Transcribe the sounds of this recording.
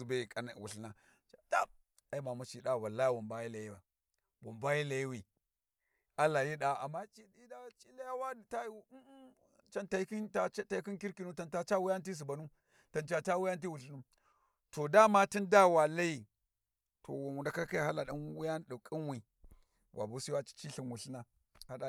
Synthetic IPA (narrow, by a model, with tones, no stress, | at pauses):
u˨ba˦i˨ka˨n˨wṵ˨ɬna˨ | t͡ʃa˨da˦ | a˨i˦ma˨mu˨t͡ʃi˨ɗa˦˨wa˨la˦ja˦wu˨mba˦ji˦la˨ji˦ba˨ | wu˨mba˦ji˦la˨ji˦wi˨ | a˦la˨ji˦ɗa˦a̰˨mːa˦t͡ʃi˦i˦a˦t͡ʃi˦la˦ja˦wa˦˨ta˦˨˦ | t͡ʃa˦nta˨˦ki˦nta˦t͡ʃa˦ta˨i˦ki˦nki˦ɾki˨nu˦ta˨nta˦t͡ʃa˦wi˦ja˦n˦t̬i˦s̬u˨ba˨nu˦ | ta˨nt͡ʃa˨t͡ʃa˦wu˦ja˦nt̬i˦wu˨ɬi˦nu˦m | to˨da˦ma˦ti˦nda˦˨wa˨la˦i˦˨ | tʰo̰˨wu˨u˨nda˦ka˦ka˦ja˨ha˦la˨ɗa˦n˦wi˦ja˦n˦ɗu˨kʼi˦nwi˨ | wʔa̰˨bu˦si˦wa˦t͡ʃi̥˦t͡ʃi˦ɬi˨nwu˨ɬi˦na˨ | ha˦ɗa˨